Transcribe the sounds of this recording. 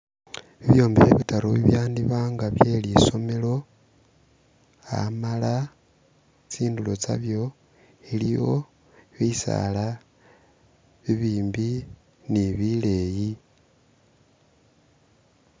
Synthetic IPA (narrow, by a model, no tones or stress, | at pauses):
βiβjo̞ːmbiβeβitaɾoβiβjaːndiβaːŋɡaβje̞ːliso̞me̞lo̞ | a̰mala | t͡siːndulo̞t͡sa̰βjo̞ | ilijo̞ | βisa̰la | βiβiːmbi | niβile̞ːji